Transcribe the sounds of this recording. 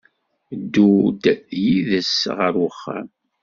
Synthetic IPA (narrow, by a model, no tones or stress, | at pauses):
d̪ːud̪jiðəsʁəɾʊχːə̰